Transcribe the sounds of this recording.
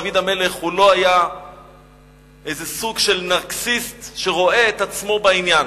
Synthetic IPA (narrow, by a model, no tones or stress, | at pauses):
vid̪ame̞le̞χhulo̞aja | e̞jzesuɡʃe̞lnaʁksist̪ʃeʁo̞e̞ːt̪at͡smo̞bainjan